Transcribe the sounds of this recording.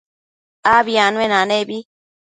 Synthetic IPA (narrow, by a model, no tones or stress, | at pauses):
abianwenanebi